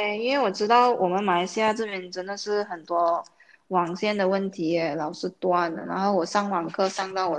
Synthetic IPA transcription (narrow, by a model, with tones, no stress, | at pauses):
te˥˧ɪi˥nwe˥˩ɪwɔ˨˩ʈ͡ʂɻ̩˥t̪ɑ˥˩ʊwɔ˨˩mə˦nma˧˥ɪɕja˥˧ʈ͡ʂɤ˥˧˩pjɛ˧˥nʈ͡ʂə˧˥nd̪ə˨ʂɻ̩˥˩xə˨˩nt̪wɔ˥ | wɑ˨˩ŋɕjɛ˥˩nd̪ə˩wə˥˩nt̪ʰi˧˥ɛ˧˩lɑ˨˩ʊʂɻ̩˥t̪wa˥˩n˩na̰˧˥nxo˥˩ʊwɔ˨˩ʂɑ˥˩ŋwɑ˨˩ŋkʰɤ˥˧ʂɑ˥˧ŋt̪ɑ˥˩ʊwɔ˨˩